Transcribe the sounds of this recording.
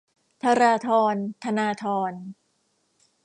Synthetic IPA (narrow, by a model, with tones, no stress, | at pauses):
t̪ʰa˧ɾaː˧t̪ʰɔː˧nt̪ʰa˧naː˧t̪ʰɔː˧n